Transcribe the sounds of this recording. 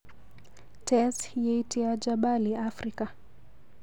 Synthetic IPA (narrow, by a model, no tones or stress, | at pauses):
tɛshijɛitiad͡ʒaɓaliafɾika